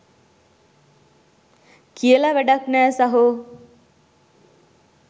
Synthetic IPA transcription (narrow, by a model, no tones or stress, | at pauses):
kʰiəlaʋæɖaknæːsaɦo